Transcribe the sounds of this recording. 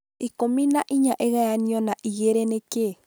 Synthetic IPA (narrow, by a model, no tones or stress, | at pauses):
ikominaʔiɲaʔeɣajaniɔnaʔiɣeɾeneke